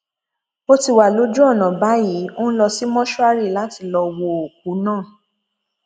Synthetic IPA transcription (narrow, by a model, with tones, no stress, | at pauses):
o˦ti˦˨wa˨lo˨˦d͡ʒu˦ɔ˦˨nã˨ba˨˦ji˨˦o˦n̩˦lɔ˧si˦mɔ̃˦ʃu˦a˦ɾi˦˨la˨˦ti˧lɔ˧wo˧o˨k̚u˨˦nãː˦˨